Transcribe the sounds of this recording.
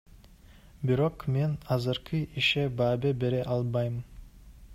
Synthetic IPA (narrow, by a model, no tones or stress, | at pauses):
biɾo̞qme̞nɑzɨɾqɯʔiʃebɑːbebe̞ɾeʔɑlˠbɑjɯm